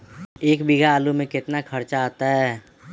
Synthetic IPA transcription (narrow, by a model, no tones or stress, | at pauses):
eːkbiɡaːlumẽkɪt̪nakʰəɾt͡ʃaat̪aɦɛː